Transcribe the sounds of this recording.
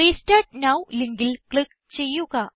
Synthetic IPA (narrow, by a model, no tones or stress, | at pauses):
isʈaʈ̚nawliŋɡilklik̚ | t͡ɕejuka